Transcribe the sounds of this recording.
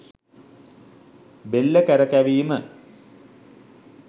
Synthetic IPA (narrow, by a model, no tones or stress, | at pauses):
belːəkæɾɐkæʋiːmə